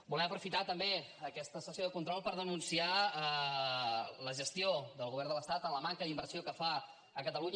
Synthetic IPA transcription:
bulɛməpɾufit̪at̪əmbe | əkɛst̪əsəsioðəkunt̪ɾɔlˠpəɾðənunsia | ləʒəst̪ioðəlˠɣuβɛɾrnd̪ələst̪at̪ənləmaŋkəðimbərsiokəfa | əkət̪əluɲ

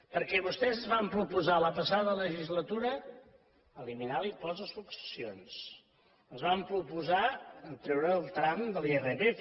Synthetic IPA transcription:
pəɾkɛβust̪ɛzəzβampɾupuzaləpəsaðələʒizlət̪uɾəː | liminalipɔzəsuksə̥sijons | əzβampɾupuzaənt̪ɾɛwɾəːlˠt̪ɾamd̪əlˠɛreðe

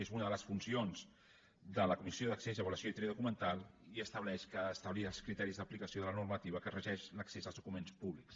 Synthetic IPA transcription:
ezunəðələsfunsionz | d̪ələkumisioðəksezəβuləsjoit̪ɾeðukumənt̪alˠiəst̪əβlɛʃkəːst̪əβliəlˠskɾit̪ɛɾizðəplikəsioðələnurmət̪iβəkərəʒɛʃləksezəlˠzðukumenspuβliks

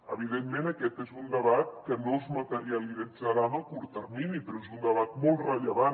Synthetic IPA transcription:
əβ̞iðemːenəkɛt̪ezund̪əβat̪̚kənozmət̪əɾiəlid͡zəɾanəlˠkuɾt̪ərminipɾɔezund̪əβat̪̚mɔlˠtrəʎəβan

